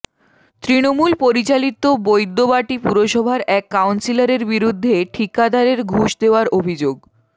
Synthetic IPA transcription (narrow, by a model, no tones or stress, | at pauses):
t̪ɾinomulpoɾit͡ɕalit̪obojd̪ːobaʈipuɾoʃɔbʱaɾɛkːawnsilaɾeɾbiɾud̪ʱːeʈʰikad̪ʱaɾeɾɡʱuʃd̪eoaɾobʱid͡ʑoɡ